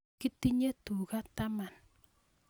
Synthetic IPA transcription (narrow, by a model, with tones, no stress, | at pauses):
ki˦ti˦ɲe˦t̪u˨ka˦t̪a˦ma˨n